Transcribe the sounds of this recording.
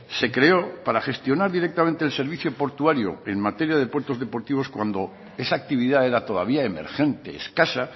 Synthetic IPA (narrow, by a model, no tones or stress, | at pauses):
se̞kɾeo̞paɾaχe̞st̪jo̞naɾðiɾe̞k̚t̪amẽnt̪eːlse̞ɾβ̞iθjopo̞ɾt̪uaɾjo̰e̞ŋmat̪e̞ɾjað̞e̞pwe̞ɾt̪o̞zðe̞po̞ɾt̪iβ̞o̞skwand̪o̞ | e̞saːk̚t̪iβiðae̞ɾat̪o̞ða̰β̞iaeme̞̰ɾxe̞nt̪eːskasa